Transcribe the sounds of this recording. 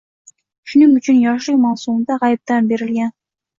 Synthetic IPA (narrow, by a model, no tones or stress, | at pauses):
ʃʊnɪŋʊt͡ʃʰɪnjɑʃɨjmɑwsumd̪ɑʁɑjp̚t̪anbeɾɪlɡʲæn